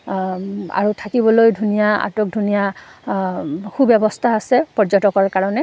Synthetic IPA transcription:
a̰ɹutʰakibɔlojdʱunijaa̰tok̚dʱunija | kubɛbɔstʰaːsɛpɔɹd͡ʒɔtɔkɔɹkaɹɔnɛ

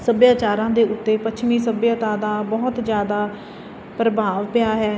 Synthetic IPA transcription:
səbjaːt͡ʃaːɾãːd̪eːʔʊt̪ːeːpət͡ʃʰmiːsəbjaːt̪aːd̪aːbɔːt̪zjaːd̪aː | pɾəbʱaːʋpɪjaːɦɛː

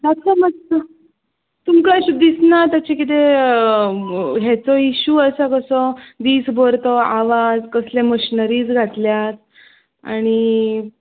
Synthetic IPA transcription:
t̪at͡samət̪a | t̪umkaɕub̚d̪isnat̪jat͡ɕekit̪̬e | ɦɛt͡sɔiɕuəsakəsɔd̪iːsboɾt̪ɔaʋad͡zkəslẽməɕinəɾiːt͡sɡʱat̪ljat̪ | a̰ɽ̃i

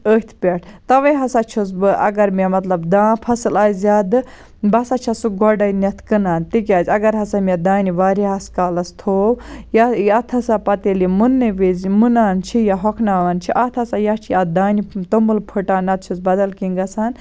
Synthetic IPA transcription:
əːt̪ʰpʲeʈʰt̪ɐʋɐjɦɐsat͡ʃʰusbɨʔɐ̰ɡɐɾmemɐt̪lɐbd̪ãːpʰɐsɨlaːjzjad̪ɨ | bɐsat͡ʃʰasuɡɔɖɐjnɐt̪ʰkɨnaːnt̪ikʲaːzʲɐɡɐɾɦɐsamʲed̪aːniʋaːɾiɦɐskaːlɐst̪ʰoːwjajat̪ʰɐsapɐt̪elimunːɨʋizmunaːnt͡ʃʰijaɦɔkʰnaːʋant͡ʃʰiʔat̪ʰɐsajat͡ʃʰiad̪aːnit̪omɨlpʰɨʈaːnɐt̪̚t͡ʃʰusbɐd̪ɐlkiŋɡɐsaːn

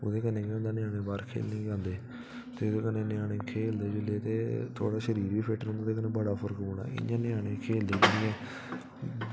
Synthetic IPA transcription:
o̰ːd̪eːkənẽːkãːnd̪aːnɪjaːɽ̃ẽːbaːɾkʰḛːlnĩːkãːnd̪eː | t̪eːod̪eːkənẽːnɪjaːɽẽːkʰeːld̪eːd͡ʒɪlːeːt̪ḛːt̪ʰo̰ːɽaːʃəɾiːɾiːpʰeːʈəɾõʊnd̪aːt̪eːkənẽːbəɽaːpʰəɾkboːɳa̰ːʔɪ̰ɲãːnɪjaːɽẽːkʰeːld̪eːd͡ʒəiɛː

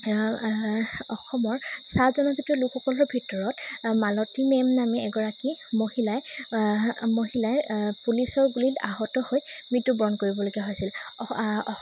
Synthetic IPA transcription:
ɔxɔmɔɹsazɔnɔzetulukxɔkɔlɔɔbʱitɔɹɔt | malɔtimɛmnamɛɛɡɔɹaki | mohilaɛ | moɦilaɛpulisɔɹbulila̰ɦɔtɔhoj | mɹitːubɹɔnkoɹibɔloɡiaɦojsil

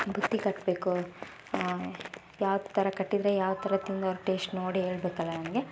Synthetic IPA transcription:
bʱut̪ːikɐʈːbe̞ːku | jaːʋɐd̪t̪ʰːɐɾɐkɐʈːid̪ɾe̞jaːʋd̪ut̪ʰɐɾɐt̪ind̪ɐɾuʈeːsʈnoːɽiɦe̞ːɭbeːkɐlːɐnɐmɐɡe̞

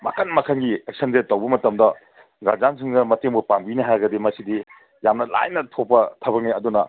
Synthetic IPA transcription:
mɐ̰kʰɐnmɐkʰɐnɡiek̚sɐnzetɐwbɐmɐtɐmdɐ | ɡa̰zansʰiŋdɐmɐteŋbupamɡiniɦaɾɡɐdimɐsidi | jamnɐla̰jnɐtʰopːɐtʰɐbɐk̚niɐdunɐ

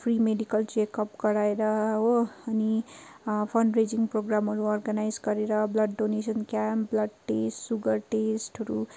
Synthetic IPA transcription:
pʰrimeɖikʌlt͡ʃekʌpɡʌɾaeɾʌɦoːni | pʰʌnred͡ziŋproɡramɦʌɾuɔrɡanajd͡zɡʌɾeɾʌblʌɖːonesʌnkjamblʌɖ̚ʈesʈsuɡʌrʈesʈʌɾu

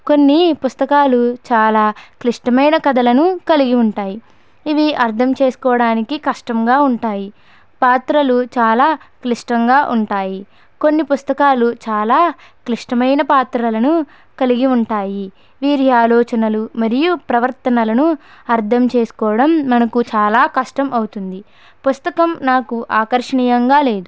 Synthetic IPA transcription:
ko̞nːipust̪ɐkaːlut͡ʃaːlaːkliʂʈɐmɐjnɐkɐd̪ɐlɐnukɐliɡiuɳʈaːji | iʋiʔɐɾt̪ʰɐmt͡ʃe̞ːsu̥kɔːɽaːnikikɐʂʈɐmɡaːuɳʈaːji | paːt̪ɾɐlut͡ʃaːlaːkliʂʈɐŋɡaːʔuɳʈaːji | ko̞nːipust̪ɐkaːlut͡ʃaːlaː | kliʂʈɐmɐjnɐpaːt̪ɾɐlɐnu | kɐliɡiuɳʈaːji | ʋiːɾiaːlɔːt͡ʃɐnɐlumɐɾijupɾɐʋɐɾt̪ɐnɐlɐnuɐɾt̪ʰɐmt͡ʃeːsu̥kɔːɐɽɐmːɐnɐkut͡ʃaːlaːkɐʂʈɐmʔɐwut̪und̪i | pust̪ɐkɐmnaːkuʔaːkɐɾʂɐɳiːjɐŋɡaːle̞ːd̪u

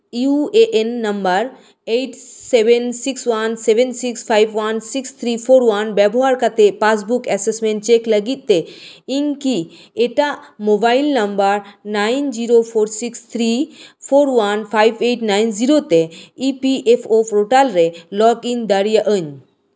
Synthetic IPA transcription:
iueʔenːɐmbəɾ | eʈseʋensiksʋanseʋensikspʰajʋʋansikst̪ʰɾipʰoːɾʋanbɛboɦaɾkat̪epas̬bukɛsesmẽɳʈt͡ʃekləɡit̪̚ːeiŋki | eʈaʔmobailnɐmbəɾnaind͡ʒiɾopʰoɾsikst̪ʰɾipʰoːɾʋanpʰajbeʈnaːinziɾot̪eipiʔefʰopɾoʈalɾelɔkĩnd̪əɾjəʔəɲ

